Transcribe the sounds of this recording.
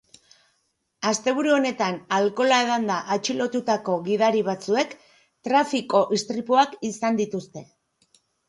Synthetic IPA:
ast̪e̞β̞uɾuo̞ne̞t̪analko̞lae̞ð̞and̪aʔat͡ʃilo̞t̪ut̪ako̞ɣiðaɾiβ̞at͡sue̞k | t̪ɾafiko̞ʔist̪ɾipoakisand̪it̪ust̪e̞

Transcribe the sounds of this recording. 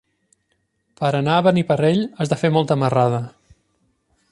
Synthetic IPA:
pəɾənaəβənipəreʎəzðəfemɔlˠt̪əməraðə

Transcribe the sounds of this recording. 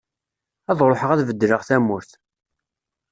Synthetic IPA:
æðˤɾˤoħəʁæθvəd̪ːɾəʁθæmːʊɾθ

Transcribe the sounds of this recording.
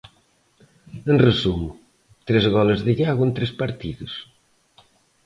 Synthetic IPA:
enrəzumu | t̪ɾezɣɔlɐzðəʎaɣwent̪ɾespɐɾt̪iðus

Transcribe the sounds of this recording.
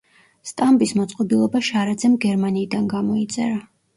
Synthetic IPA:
st̪ʼambismɔt̪sʼqʼɔbilˠɔbaʃaɾad̪zɛmɡɛɾmaniːd̪anɡamɔit̪sʼɛ̰ɾa

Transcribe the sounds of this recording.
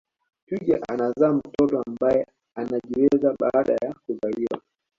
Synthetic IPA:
tuʄaʔanazaːm̩tɔtɔambajɛ | anaʄiwɛzaɓaːɗa̰jakuzaliwa̰

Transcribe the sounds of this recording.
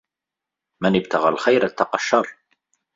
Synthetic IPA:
mænəbt̪əʁælxæjɾæt̪ːɑqɑʃːɑɾˤ

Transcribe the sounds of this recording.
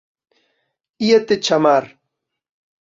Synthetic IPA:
ijat̪et͡ʃamaɾ

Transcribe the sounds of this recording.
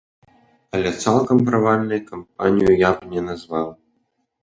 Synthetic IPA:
ɐlʲɛt̪salˠkɐmpɾavalʲnɨjkamp̚a̰nʲijujabnʲɛnazvaw

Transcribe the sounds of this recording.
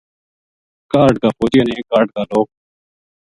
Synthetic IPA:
kaːɾɖkaːpʰoːd͡ʒeːnẽːkaːɾɖ̚kaːloːk̚

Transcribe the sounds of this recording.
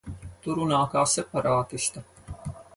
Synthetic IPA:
t̪uɾunaːkaːsepɐɾaːk̪ɪʃt̪ɐ

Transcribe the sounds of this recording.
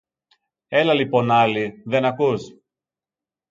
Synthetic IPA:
e̞lɐlipo̞nɐliðe̞nɐkus

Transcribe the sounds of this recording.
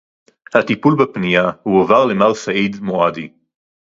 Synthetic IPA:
hat̪ipulbapnijahuavaʁlemaʁsaʔid̪moad̪i

